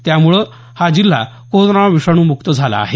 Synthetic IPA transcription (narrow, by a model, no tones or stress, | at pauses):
t̪jamuɭə | had͡ʑilːa̰ | koɾonaʋiʂaɽ̃ũːmukt̪əd͡zʱala̰ːɦe